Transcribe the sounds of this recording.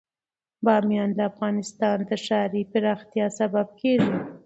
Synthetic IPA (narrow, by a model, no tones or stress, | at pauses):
bɑmjɑnləafɣɑnɪst̪ɑnd̪əʂɑɾipɪɾɑxt̪jɑsabab̚kʰeʒi